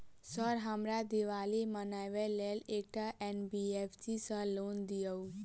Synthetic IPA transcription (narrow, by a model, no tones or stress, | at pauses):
sɔɾɦəmɾad̪iʋalimənajʋɛlelek̚ʈaʔenbiepʰsisəlond̪ijəw